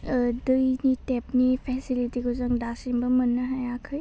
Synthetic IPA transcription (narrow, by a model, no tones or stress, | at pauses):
dɯjnitep̚nipʰesilitiɡɯzɐŋdasiŋbɐmɯnːɐɦajakʰɯj